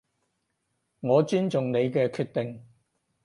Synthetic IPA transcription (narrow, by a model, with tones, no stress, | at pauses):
ŋɔː˨˧t͡ʃyː˥nt͡sʊ˨ŋne˨˧jkɛː˧kʰyː˧t̚t̪ɪ˨ŋ